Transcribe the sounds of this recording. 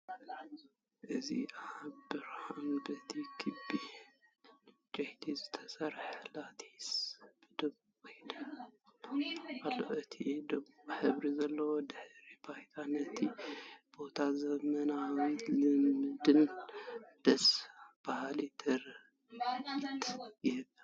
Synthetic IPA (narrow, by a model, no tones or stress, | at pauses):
ʔɨzḭʔabɨɾhanbɐt̪ʰikʰɨbːi | d͡ʒʼɐht̪ʰizɨt̪ʰɐ̥sɐɾħlat̪ʰi̥sb̥ɨd̪ɐβukʰojnɐ | ʔalːo̰ʔɨt̪ʰid̪ɐβuβħɨβɾizɐlːɐwod̪ɨħɾibajt̪ʰanɐt̪ʰib̥o̞t̪ʰazɐmɐnalɨmɨd̪ɨn | d̪̥ɐsb̥ahlit̪ʰɨɾ | t̪ʰjɪhɨβ